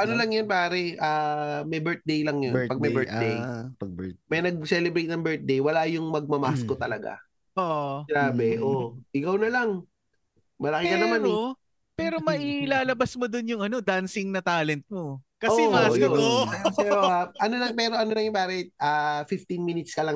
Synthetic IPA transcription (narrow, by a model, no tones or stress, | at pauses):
ʔɐnolɐŋjonpaːɾɛʔaːmɛjbɛɹt̪̚d̪ejlɐŋjonpɐɡ̚mɛbɛɹt̪̚d̪ejɐɡmɐjnɐɡ̚sɛlɛbɾejt̪̚nɐŋbɛɹt̪̚d̪ejwɐlajʊŋmɐɡ̚mɐmaskot̪ɐlɐɡa̰ | oʔɡɾaːbɛʔoʔɪkɐwnɐlaŋ | mɐlɐkɪkɐnɐmano | pɛːɾo̞mɐʔilaːlɐbɐsmod̪onjʊŋɐno̞d̪ansɪŋnɐt̪aːlɛnt̪̚mo | kɐosɛɐkoɛsɛoaʔɐnolɐŋpɛːɾo̞ʔɐnonlɐŋjʊnpaːɾɛʔaːfɪft̪inminɪt̪skɐlɐŋ